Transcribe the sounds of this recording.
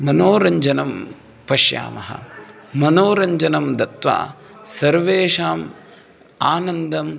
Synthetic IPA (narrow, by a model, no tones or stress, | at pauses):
mɐnoːɾɐɲd͡ʒɐnɐm | pɐʃja̰ːmɐ̰ɦɐ̰ | mɐnoːɾɐɲd͡ʒɐnɐmd̪ɐt̪ʋa̰ː | sɐɾʋeːʂaːm | aːnɐnd̪ɐm